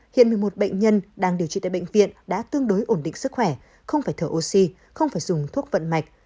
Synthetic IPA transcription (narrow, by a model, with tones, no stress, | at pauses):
hḭ˧˨ənmɨ˨˩əjmo˨˩t̚ɓə̰˧˨jŋ̟ɲə˧nɗaː˧˩ŋɗi˧˩əwt͡ɕḭ˧˨a̰ː˧˨˩ɓə̰˧˨ŋ̟vḭ˧˨ənɗa̰ː˧˥t̪ɨ˧əŋɗo˨˦jʔo˧˩nɗḭ˧˨ŋsɨ˦˥k̚xwɛ˧˩ | xə˧wŋ͡mfaː˧˩jt̪ʰəː˧˩ʔo˧si˧ | xə˧wŋ͡mfaː˧˩jzʊ˨˩ŋ͡mt̪ʰu˦˥ət̚və̰˧˨nma˨˩jk̚